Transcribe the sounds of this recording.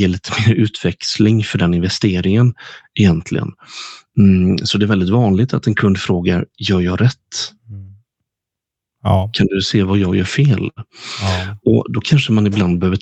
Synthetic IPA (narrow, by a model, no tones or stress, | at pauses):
ɪɭiːt̪ʰə̥meːɾʉ̟ːt̪vɛkslɪŋfœɖɛnɪnvɛst̪eːɾɪŋənɛjɛnt̪ʰlɪ̰ɡə̰n | sɔd̪ɛɾvɛld̪ɪt̪vɑːnlɪɡ̚t̪ʰat̪ɛnkʰɵnd̪fɾoːɡaɾjœːɾjɑɾɛt̪ː | kʰand̪ɵseːvajɑːɡjœ̰ːɾfeːl | ɔd̪ɔkʰanʂəmanɪbland̪̚bɛhøːvə